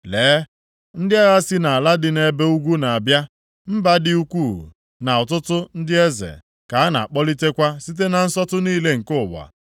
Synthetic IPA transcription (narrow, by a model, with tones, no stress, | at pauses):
leː˨˦ | n̩˦dɪ˦a˦ɣa˦si˦na˨a˨la˦dɪ˨ne˨be˦u˦ɡʷu˦na˨a˨bja˦ | m̩˦ba˦dɪ˦u˦kʷu˦˨ | na˨ʊ˨tʊ˦tʊ˦n̩˦dɪ˦e˦zḛ˨ | ka˨a˦na̰˨k͡pɔ˦li˦te˦kʷa˦si˦t̬e˦na˨n̩˦sɔ˦tʊ˦niː˦le˦ŋ̩˨kʊ˦˨ba̰˨